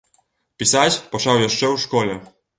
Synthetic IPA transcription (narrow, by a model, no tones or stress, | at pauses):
pʲisat͡ɕpɔʂawjɛʂt͡ʂɛuʂkɔlɛ